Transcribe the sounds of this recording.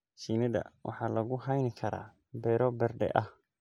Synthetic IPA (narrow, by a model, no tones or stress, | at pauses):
siːnɐðɐ̰wʔɑ̰ħɑːlɐɣʊɦɐjnɪkʰɐɾa̰ː | bɛːɾɔbɛrɖɛ̰ʔɐh